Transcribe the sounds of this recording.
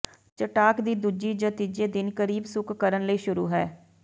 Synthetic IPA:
t͡ʃəʈaːkd̪iːd̪uːd͡ʒiːd͡ʒə̃t̪id͡ʒeːd̪ɪnkəɾiːbsʊkʰːəɾənləiːʃʊɾṵːɦɛː

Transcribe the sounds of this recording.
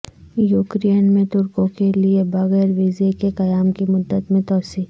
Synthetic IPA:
juːkɾenmẽt̪ʊɾkõkeliebɐɣɛːɾʋiːzekekɐjaːmkimʊd̪ːət̪mẽt̪ɔːsiː

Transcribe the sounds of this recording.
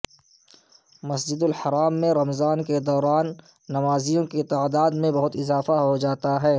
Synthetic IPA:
mɐsd͡ʒɪd̪ʊlħɐɾaːmːẽɾɐmzaːnked̪ɔːɾaːnː | ɐmaːzijõket̪aːd̪aːd̪mẽbɐɦʊt̪ɪzaːfaɦod͡ʒaːt̪aɦɛː

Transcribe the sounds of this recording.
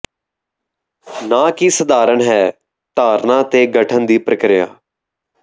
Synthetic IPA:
nãːkiːsəd̪aːɾəɳɦɛː | t̪aːɾnãːt̪eːɡəʈʰənd̪iːpɾəkɾɪja̰ː

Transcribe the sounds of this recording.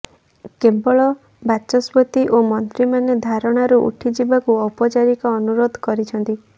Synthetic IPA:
kebɔɭɔ | bat͡ʃɔsbɔt̪iʔomɔnt̪ɾimaned̪ʱaɾɔɽ̃aɾuʔṵʈʰid͡ʒibakuɔpɔt͡ʃaɾikɔːnuɾod̪ʱkɔɾit͡ʃʰɔnt̪i

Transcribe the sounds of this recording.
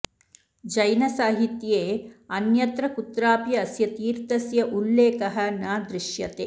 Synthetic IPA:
d͡ʒɐjnɐsaːɦit̪jeːɐnjɐt̪ɾɐkut̪ɾaːpjɐːsjɐt̪iːɾt̪ɐsjɐʔulːeːkɐɦɐnaːd̪ɾiʃjɐt̪e

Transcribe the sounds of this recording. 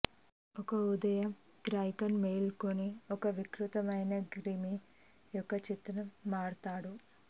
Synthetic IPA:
ɔkɐud̪ɐjɐm | ɡɾaːjkɐnmeːlkoneɔkɐʋikɾut̪ɐmɐjnɐɡɾimi | jɔkːɐt͡ʃit̪ːnɐmːaːɽt̪aːɽu

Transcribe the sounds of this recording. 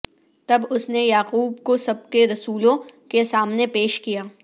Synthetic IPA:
t̪ɐbʊsnejaːquːbkosɐb̚keɾɐsuːlõkesaːmnepeːʃkijaː

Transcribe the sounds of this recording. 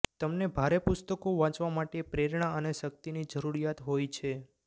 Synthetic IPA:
t̪əmnebʱaɾepʊst̪əkoʋãt͡ʃʋamaʈepɾeɾɳaəneʃək̚t̪inid͡ʒəɾuɾijat̪ɦojt͡ʃʰe

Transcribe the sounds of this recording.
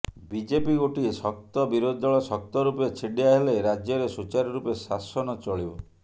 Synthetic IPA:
bid͡ʒepiɡoʈiesɔk̚t̪ɔbiɾod̪ʱɔɭɔsɔk̚t̪ɔɾupjet͡ʃʰiɖiaɦeleɾad͡ʒjɔɾesut͡ʃaɾiɾupesasɔnɔt͡ʃɔɭibɔ

